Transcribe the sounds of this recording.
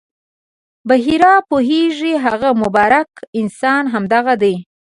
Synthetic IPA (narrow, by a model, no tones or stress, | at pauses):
baɦiɾɑpoɦeʐiɦaɣamʊbɑɾakɪnsɑnɦamd̪aɣad̪əj